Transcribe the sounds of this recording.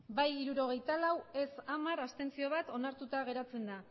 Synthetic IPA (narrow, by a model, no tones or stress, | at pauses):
bajiɾuɾo̞ɣ̞e̞jt̪alawe̞samaɾast̪e̞nt͡sio̞β̞at̪o̞naɾt̪ut̪aɣ̞e̞ɾat͡se̞nd̪a